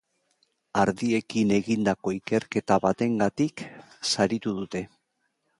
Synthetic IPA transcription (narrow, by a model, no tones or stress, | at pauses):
aɾðie̞kine̞ɣind̪ako̞ike̞ɾke̞t̪aβat̪e̞ŋɡat̪ik | saɾit̪uðut̪e̞